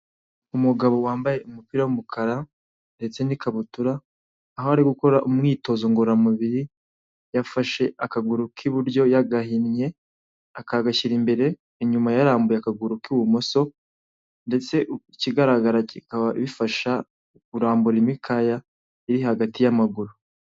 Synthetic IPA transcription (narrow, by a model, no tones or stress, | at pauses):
umuɡaβo̞waːmbaje̞umupiːɾawumukʰaɾa | nde̞t͡se̞nikaβutuɾaː | ɦoaɾiɡuko̞ɾaʔumŋiːto̞zo̞ŋɡoɾamuβiɾi | jafaʃe̞ʔakaɡuɾukʰiβuɾjo̞jaɡaɦinɲe̞ | akaɡaʃiɾimbe̞ɾe̞ | iɲumajaɾaːmbujeakaɡuɾukuwumo̞so̞ | nde̞t͡se̞ʔ | ciɡaɾaɡaɾacikaβaiβifaʃa | uɾaːmbuɾimikʰaja | iɾihaɡatijamaɡuɾu